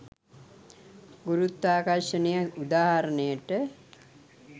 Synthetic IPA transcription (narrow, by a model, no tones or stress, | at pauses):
ɡuɾut̪ːaːkaɾʂənijəud̪aːɦaɾənəjəʈə